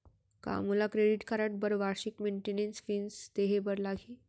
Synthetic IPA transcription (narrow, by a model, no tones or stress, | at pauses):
ka̰mulakɾeɖiʈkaɾaʈ̚bəɾʋaɾɕikmeɳʈenensfiːnst̪eɦebəɾlaɡʱiː